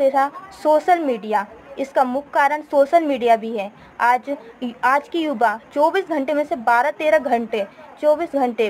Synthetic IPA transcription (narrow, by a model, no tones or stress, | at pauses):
seɾasoːʃəlmiːɖijaɪskamʊkʰkaːɾəɽ̃soːʃəlmiːɖijabʱiɦɛː | aːd͡ʒaːd͡ʒkijʊbat͡ʃɔːbiːsɡʱɐ̃ɳʈemẽsebaːɾat̪eːɾaɡʱɐ̃ɳʈet͡ʃɔːbiːsɡʱɐ̃ɳʈe